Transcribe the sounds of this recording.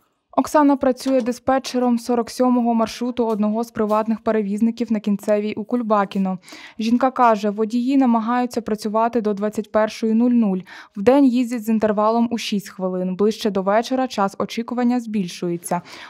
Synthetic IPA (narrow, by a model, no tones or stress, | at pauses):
ɔksɑnɐpɾɐt͡sʲujɛd̪espɛt͡ʃeɾɔmsɔɾɔksʲɔmɔɦɔmɐrʃɾut̪ʊɔd̪nɔɦɔzpɾɪʋɑt̪nɪxpeɾeʋʲiznɪkʲiwnɐkʲint̪sɛʋʲijʔukʊlʲbɑkʲinɔʒʲinkɑkɑʒɛʋɔdʲijinɐmɐɦɑjʊt͡sʲːɐpɾɐt͡sʲʊʋɑt̪ɪd̪ɔd̪ʋɑt͡sʲːɐtʲpɛrʃɔjinulʲnulʲwd̪ɛnʲjizʲdʲɐzint̪erʋɑlˠɔmuʃʲisʲtʲxʋɪlˠɪnblˠɪʃt͡ʃɛd̪ɔʋɛt͡ʃeɾɐt͡ʃɑsɔt͡ʃikʊʋɐnʲːɐzʲbʲilʲʃʊjet͡sʲːɐ